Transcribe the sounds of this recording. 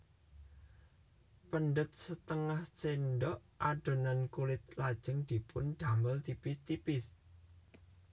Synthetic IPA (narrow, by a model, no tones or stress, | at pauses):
pənɖət̪̚sət̪əŋaht͡ʃenɖɔʔʔaɖ̥o̤nankulɪt̪̚lad̥ʒ̥əŋd̪̥i̤pʊnɖ̪̥a̤məlt̪ipɪst̪ipɪs